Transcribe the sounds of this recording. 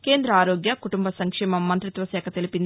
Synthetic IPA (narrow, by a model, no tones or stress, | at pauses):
ke̞ːnd̪ɾɐaːɾoːɡjɐkuʈumbʱɐsɐŋkʂɛːmɐmːɐnt̪ɾit̪ʋɐsɛːkʰɐt̪elipind̪i